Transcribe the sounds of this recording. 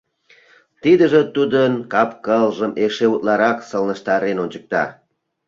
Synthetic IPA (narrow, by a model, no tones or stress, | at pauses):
t̪id̪əʒĕt̪ud̪ənkɑpkəlʒəmeʃeut̪lɑɾɑksəlnəʃt̪ɑɾenonʲt͡ɕək̚t̪ɑ̰